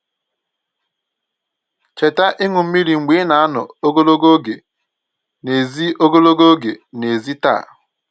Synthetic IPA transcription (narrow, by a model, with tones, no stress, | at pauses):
t͡ʃe˨ta˦ʔɪ˦ŋʊ˨m̩˦mi˦ɾi˨ŋ͡m̩˨ɡ͡be˨˦na˨a˦nʊ̰˨o˦ɡo˦lo˦ɡo˦ɡe˨ | ne˨zi˦o˦ɡo˦lo˦ɡo˦ɡe˨ne˨zi˦ta̰˦˨